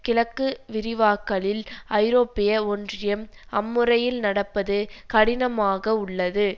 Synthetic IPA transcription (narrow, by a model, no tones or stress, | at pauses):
kɪlɐkːɯʋɪɾɪʋaːkːɐɭɪlɐɪɾoːpːɪjɐɔndrɪjɐm | ɐmːɯɾɐjɪlnɐɽɐpːɐðɯkɐɽɪnɐmaːɣɐʊɭːɐðɯ